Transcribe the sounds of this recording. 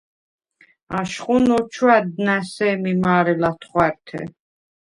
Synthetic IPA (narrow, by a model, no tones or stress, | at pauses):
aʃχʼunɔt͡ʃʰwad̪nasɛːmimaːɾɛlat̪ʰχwaɾt̪ʰɛ̰